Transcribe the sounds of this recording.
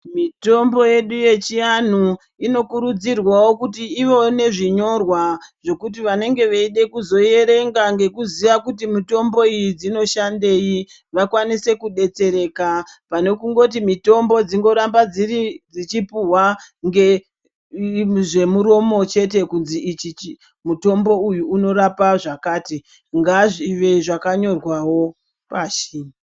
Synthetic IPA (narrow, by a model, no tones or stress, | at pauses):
mito̞mbo̞je̞ɗuje̞t͡ʃian̤u | ino̞kuɾud͡zirwawo̞kutiːʋo̞ne̞ʐiɲo̞rwaʐ̥o̞kut̬iʋane̞ŋɡe̞ʋaiɗe̞kuzo̞je̞ɾe̞ŋɡaŋɡe̞kuziʋakutimito̞mbo̞ijid͡zino̞ʃande̞i | ʋakwanise̞kuɗe̞t͡se̞ɾe̞ːkapane̞kuŋɡo̞t̬imito̞mbo̞d͡ziŋɡo̞ɾambad͡zirid͡zit͡ʃipuwaŋɡe | ʐe̞muɾo̞mo̞t͡ʃe̞t̬e̞kunziːt͡ʃit͡ʃi | muto̞mbo̞ujuːno̞ɾapaʐakaːti | ŋɡaʐiʋe̞ʐakaɲo̞rwawo̞ | paʃiːna